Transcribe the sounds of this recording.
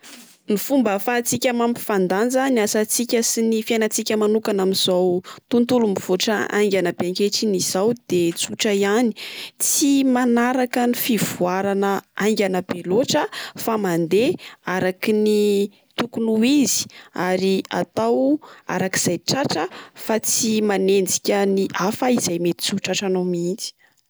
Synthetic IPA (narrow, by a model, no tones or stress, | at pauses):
nifumbəfat͡sikʲamampi̥fand̪and͡zanasat͡sikʲəsinifianat͡sikʲəmanukanamiz̥awt̪unt̪ulumiv̥oʈ͡ʂaa̰jŋɡʲanəbeaŋkeʈ͡ʂiniz̥awd̪̥et͡suʈ͡ʂəiani̥t͡simanaɾakənifiv̥uaɾanəaŋɡʲanəb̥eloʈ͡ʂəfamand̪eaɾakini | t̪ukunuizi̥aɾia̰t̪awa̰ɾakiz̥ajʈ͡ʂaʈ͡ʂəfat͡simanend͡zi̥kʲəniʔafəiz̥ajmet̪i̥t͡suʈ͡ʂaʈ͡ʂanowmint͡si̥